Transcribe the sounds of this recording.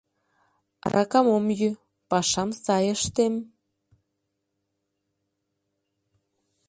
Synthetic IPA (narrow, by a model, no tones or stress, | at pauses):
rʔɑ̰kɑmomjy | pɑʃɑmsɑjə̆ʃt̪em